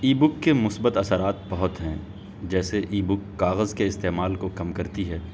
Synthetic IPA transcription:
iːbʊkːemʊsbət̪ɐsəɾaːt̪̚bɐɦʊt̪ɦɛ̃ː | d͡ʒɛːseʔiːbʊkːaːɣəzkeɪst̪eːmaːlkokɐmkɐɾt̪iɦɛː

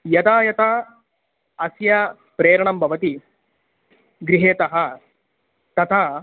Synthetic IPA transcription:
jɐt̪aːjɐt̪aː | ɐsjɐ | pɾeːɾɐɳɐmbʱɐʋɐt̪i | ɡɾiɦeːt̪ɐɦɐ | t̪ɐt̪ʰaː

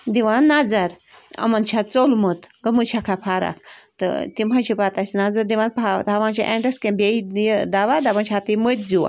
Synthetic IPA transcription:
d̪iʋãnːad͡zɐɾɐ̰mɐnt͡ʃʰat͡solmət̪ɡɐmɨt͡ʃʰakʰapʰaːɾa̰kt̪ɨ̰t̪im̤ant͡ʃʰipat̪asnad͡zɐɾd̪iʋãnt̪at̪ʰaʋãnt͡ʃa̰ʔḛ̃ɳɖəskẽbeijd̪aːʋad̪abɐnt͡ʃʰat̪imət̪̚ʲd͡ziwa̰

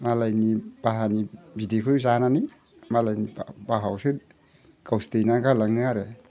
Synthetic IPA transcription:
malajnibaɦanibidikʰɯjzanani | malajnibaɦawsɯ | kawstejnaɡalaŋɯaɾe

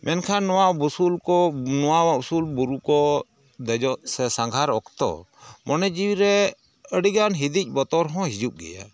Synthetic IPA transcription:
mʔɛnkʰanːɔwabusulkɔnɔwawausulbuɾukɔ | d̪ɛd͡ʒɔʔsɛsãŋɡʱaɾɔkt̪ɔ̰ | mɔnɛd͡ʒiwiɾɛ | əɽiɡanɦid̪ic̚ˀbɔt̪ɔɾɦɔ̃ɦid͡ʒup̚ɡɛ̰ja̰

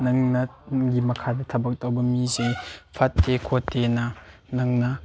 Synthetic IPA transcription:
nɐŋnɐnŋɡimɐkʰadɐtʰɐbɐk̚tawbɐmizepʰɐtːekʰotːenɐ | nɐŋnɐ

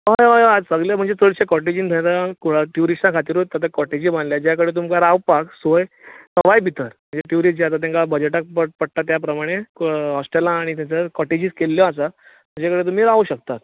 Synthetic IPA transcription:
ɦəjɦajad͡zsəɡljam̤əɳd͡zet͡səɭɕekɔʈed͡ʑĩnd̪ʱəjat̪akuɽaʈjuɾisãkʰat̪iːɾut̪ːat̪̬akɔʈed͡ʑiːbanljad͡ʑjakəɽet̪̬umkaɾawpaksojsəʋajbʱit̪əɾm̤ə̃ɳd͡zeʈjuɾid͡ʑiat̪at̪̬ẽŋkabəd͡ʑəʈak̚pəpəɽ̚ʈ̪at̪japɾəmaɽ̃eɦɔsʈelãːɽ̃it̪jãt͡ɕakɔʈed͡ʑiːskelːjɔasa | məd͡ʑakəɽet̪um̤iːɾauɕək̚t̪at̪̚

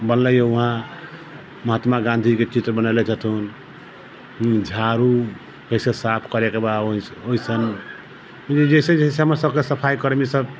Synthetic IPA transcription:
bənləjouɦã | məɦat̪maɡãnd̪ʱiket͡ʃit̪ɾəbənalet͡ʃʰət̪ʰun | ɦd͡ʒʱaɾu | kəsesapʰkəɾekebaoioɦisən | d͡ʒed͡ʒesed͡ʒeɦseɦəməɾsəbkesəpʰajkəɾmisəb

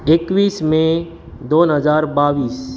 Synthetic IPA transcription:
ekʋiːsmẽ | d̪oːnɦəzaːɾbaːʋiːs

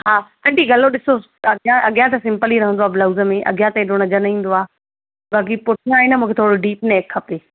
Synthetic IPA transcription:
ɦaː | ɐ̃ɳʈiɡɐloɗɪso | ɐɡjãʔɐɠjãt̪̬ɐsɪ̃mpəliɾɐɦənd̪oaːblɐwzəmẽʔɐ̰ɡjãt̪ɐeɗonɐd͡ʑɐnĩːn̆d̪oaː | baːk̬ipʊʈʰj̃aːɦɪnmũːkʰet̪ʰoːɽoɖiːpneːkʰːɐpeː

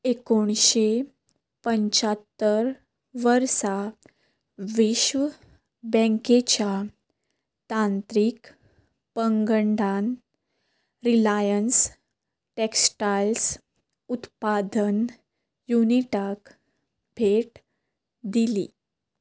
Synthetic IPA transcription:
ekoɳ̃ɕe | pəɲt͡ɕat̪ːəɾ | ʋəɾsa | ʋiɕʋ | bə̃ŋket͡ɕa | t̪ãnt̪ɾiːk | pəŋɡəɳɖan | ɾilajəns | ʈeksʈals | ut̪pad̪ən | juniʈak | bʱeʈ | d̪ili

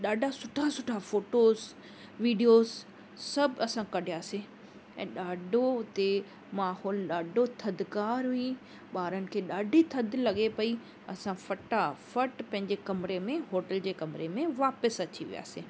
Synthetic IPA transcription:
ɗaːɖʱasʊʈʰasʊʈʰafoːʈoːz | ʋiːɖijoːz | sɐbʱɪɐsãkɐɖʱijaːsi | ɛ̰̃ːɗaːɖʱoʊt̪e | maːhɔːlɗaːɖʱot̪ʰɐd̪ʱkaːɾɦʊi | ɓaːɾənɪ̆kʰeːɗaːɖʱit̪ʰɐd̪ʱlɐɠepɐi | ɐsãfɐʈafɐʈpɐ̃ɦɪ̃ɲd͡ʑekɐmɾemẽɦoːʈəld͡ʑeːkɐmɪɾemẽʋaːpəsɐt͡ɕʰiʋḭja̰ːsĩː

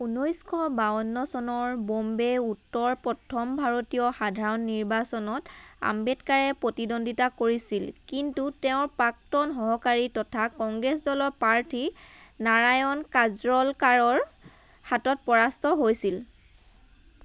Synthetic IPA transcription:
unojskʰɔbaɔnːɔsɔnɔɹbombeutːɔɹpɹɔtʰɔmbʱaɹotijɔxadʱaɹɔnːiɹbasɔnɔta̰mbɛtkaɹɛpɹotidondʱitakoɹisilkintutɛʊ̃ɹpak̚tɔnɦɔɦɔkaɹitɔtʰakɔŋɡɹɛsdɔlɔɹpaɹtʰinaɹajɔnkazɹɔlkaɹɔɹ | hatɔt̚pɔɹastʰɔɦojsil

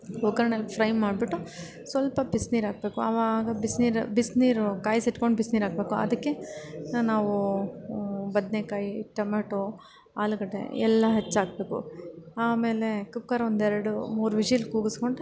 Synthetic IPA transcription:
okɐɾɐɳelpʰɾɐjmmːaːɖbiʈːu | sʋɐlpɐbisniːɾaːɡ̚be̞ːkuɐʋaɡɐbisniːɾbisniːɾkaːjsiʈkoɳɖbisniːɾaːɡbe̞ːkuɐ̰d̪ɐkːe̞naːʋu | bɐd̪nekaːjiʈːɐmɐːʈu | aːlukɐʈḛɛlːɐɦet͡ʃːaːɡ̚be̞ːkṵaːme̞ːle̞kukːɐɾond̪ɛɾɐɽumuːɾʋid͡ʒijlkuːɡuskoɳɖ

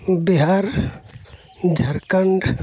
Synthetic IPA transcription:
biɦaɾ | d͡ʒʱəɾkəɳɖ

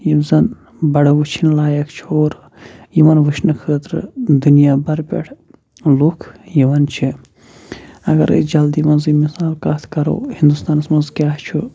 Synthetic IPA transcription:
jizɐn | bɐɽɐʋut͡ʃʰinlaːjɐkt͡ʃʰioːɾ | jimɐnʋɨʃnɨkʰəːt̪ɾɨ̰d̪unijaːbɐɾpʲḛʈʰ | loːkʰjiʋɐnt͡ʃʰi | ɐɡɐ̰ɾ̰d͡ʒɐld̪imɐnzimisaːlkaːt̪ʰkɐɾo̰ːhind̪ust̪aːnsmɐnzkʲaːɦt͡ʃʰu

